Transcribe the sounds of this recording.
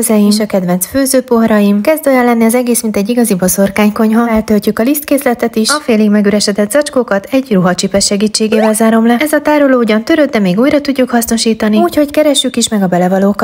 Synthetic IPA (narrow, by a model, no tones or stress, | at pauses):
zɛjiʃɒkɛd̪vɛnsføːzøːpoɦɾɒjimkɛzd̪ojɛlːɛnːiɒzɛɡeːsmint̪ɛɟːiɡɒziboso̞rkaːɲko̞ɲɦɒɛlt̪ølcukɒlist̪keːslɛt̪ɛt̪iʃɒfeːliɡmɛɡyɾɛʃɛd̪ɛt̪z̥ɒt͡ʃkokɒt̪ɛɟruɦɒt͡ʃipɛʃʃɛɡiːt͡ʃːeːɡeːvɛlzaːɾo̞mlɛɛzɒt̪aːɾoloːuɟɒnt̪øɾød̪̚d̪ɛmeːɡuːjɾɒt̪uɟːukhɒsno̞ʃiːt̪ɒniuːcho̞ckɛɾɛʃːykiʃmɛɡɒbɛlɛvɒloːk